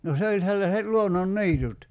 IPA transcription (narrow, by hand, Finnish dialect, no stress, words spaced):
no se olʲ selːɑset luononːi̞itut